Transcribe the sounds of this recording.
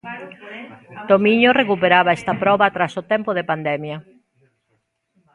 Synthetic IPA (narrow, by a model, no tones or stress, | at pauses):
t̪omiɲorekupeɾaβɐɛst̪ɐpɾɔβat̪ɾasot̪ɛmpoðepand̪ɛmjɐ